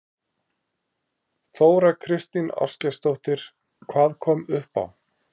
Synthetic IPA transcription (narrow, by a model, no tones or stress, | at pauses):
θoːwɾakʰɾɪst̪nina̰̥scast̪owht̪ɪɾ̥ | kʰvaːðkʰɔːmʏhpa̰w